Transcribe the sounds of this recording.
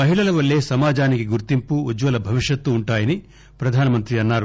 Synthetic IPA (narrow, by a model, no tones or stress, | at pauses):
ɐɦiɭɐlɐʋɐɭːe̞ːsɐmaːd͡ʒaːnikiɡuɾt̪impuːd͡ʒʋɐlɐbʱɐʋiʂjɐt̪ːuːɳʈaːjɐni | pɾɐd̪ʱaːnɐmɐnt̪ɾiɐnːaːɾu